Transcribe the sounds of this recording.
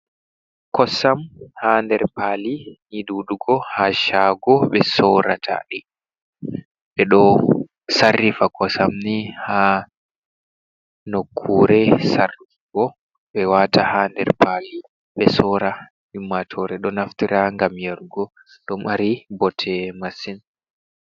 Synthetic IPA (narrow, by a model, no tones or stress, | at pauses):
kɔsamhandɛɾpaliniɗuɗuɡɔhaʃaɡɔɓɛsɔɾatʰa̰ɗi | ɓɛɗɔ | sarːifakʰɔsamniha | nokʰːuɾɛsarfɡɔ | ɓɛwatahandɛ̰ɾpali | ɓɛsɔɾa | ʔimːatʰɔɾɛɗɔnaftiɾaŋɡamjaɾuɡɔ | ɗɔmaɾibɔtʰːɛmasin